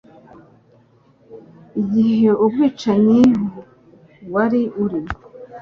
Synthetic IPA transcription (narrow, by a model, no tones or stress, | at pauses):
iɟihe̞ubɡiːt͡ʃaɲiɦo | waɾiʔuɾimo